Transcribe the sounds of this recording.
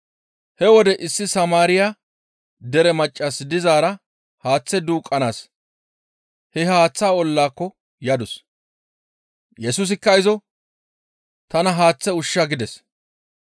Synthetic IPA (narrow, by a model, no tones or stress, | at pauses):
hɛwɔd̪ɛʔɪsːɪsɐmaːɾɪja | d̪ɛɾɛmɐt͡ʃʼːɐsd̪ɪzaːɾɐ | haːt͡sːɛd̪uːkʼːɐnaːs | hɛhaːt͡sːaːɔlːaːkːɔ | jɐd̪ʊs | jɛsʊs̬ɪkːɐɪzɔ | t̪ɐnɐɦaːt͡sːɛʊʃːɐɡɪd̪ɛs